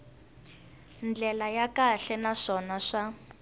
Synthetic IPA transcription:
nd͡ɮɛlajakaɬɛnaʂɔnaʂa

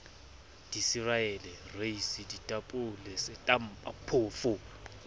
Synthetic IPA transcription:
d̥isiraɛlɛreisiditʼapʼulɛsɪtʼam̩pʼapʰʊːfʊ

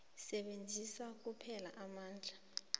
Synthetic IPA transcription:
sɛɓend͡zʱisak̬upʰɛlaʔamaːnd͡ɮʱa

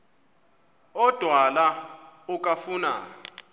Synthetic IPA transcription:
ɔd̥ʱwalaukʼafuna̰

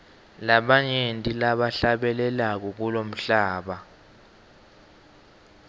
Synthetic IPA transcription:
laɓaɲentʼilaɓaɬaɓɛlɛlak̬ɔk̬ulom̩ɬaːɓa

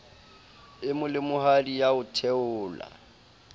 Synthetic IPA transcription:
ɪmʊlɪmʊhadijaʊtʰɛʊːla̰

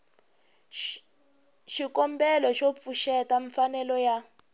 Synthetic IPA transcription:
ʃikɔmbɛlɔʃop̪fuʃɛtaɱfanɛlɔja

